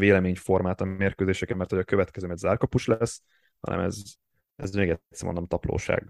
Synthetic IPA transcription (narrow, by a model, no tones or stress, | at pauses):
veːlɛmeːɲfo̞rmaːt̪ɒeːrkøːzeːʃɛkɛmːɛrt̪hojɒkøvɛt̪kɛzøːmɛd̪zaːrkɒpuʃlɛs | hɒ̰nʔɛ̰mɛ̰z | ɛzɛɡɛt̪sɛmo̰nd̪omt̪ɒplo̰ːʃa̰ːɡ